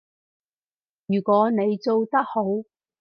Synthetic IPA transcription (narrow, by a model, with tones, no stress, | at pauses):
jyː˨˩kʷɔː˨˥ne˨˧jt͡so˨˧wt̪ɐ˥k̚ho˨˥w